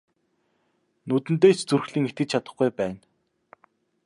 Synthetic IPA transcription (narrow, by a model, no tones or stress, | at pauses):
nɵt̪ɘ̆nt̪̬eːt͡ɕt͡surxɮiːŋet̪̚ɡɘ̆t͡ɕt͡ɕʰat̪ə̆χɡujpæːn